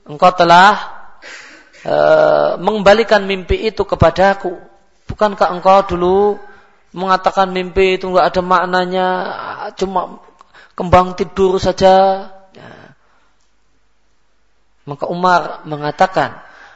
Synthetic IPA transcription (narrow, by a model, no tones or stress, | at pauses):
ʔəŋkawt̪əlah | ʔə̰məŋəmbalikanmimpiʔːt̪ukəpadaku | b̥ukankaəŋkawdulu | məŋat̪akanmimpiːt̪uŋɡaʔadamaʔnaɲat͡ʃuma | kəmbaŋt̪idʊrsad͡ʒaja̰ | makaumarməŋat̪aka̰n